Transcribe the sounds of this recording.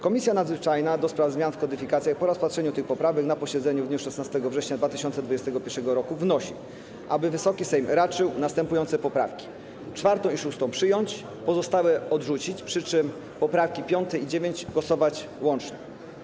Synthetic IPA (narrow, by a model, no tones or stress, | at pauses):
kɔmʲisʲjanad̪zvɘt͡ʂajnad̪ɔspɾavzmʲjanfkɔd̪ɘfʲikat̪sʲjaxpɔɾaspatʂɛɲut̪ɘxpɔpɾavɛknapɔɕɛd̪zɛɲuvd̪ɲuʂɛsnast̪ɛɡɔvʐɛɕɲad̪vat̪ɘɕɔnt̪sɛd̪vud͡ʑɛst̪ɛɡɔpʲjɛɾʂɛɡɔɾɔkuvnɔɕḭ | ʔabɘvɘsɔkʲisɛjmɾat͡ʂɘwnast̪ɛmpujɔnt̪sɛpɔpɾa̰fkʲi̥ | t͡ʂfaɾt̪ɔ̃w̃iʂust̪ɔ̃w̃pʂɘjɔɲt͡ɕ | pɔzɔst̪awɘɔd̪ʐut͡ɕit͡ɕpʂɘt͡ʂɘm | pɔpɾafkʲipʲjɔnt̪ɛid͡ʑevʲjeɲd͡ʑɡwɔsɔvat͡ɕ | wɔnt͡ʂɲɛ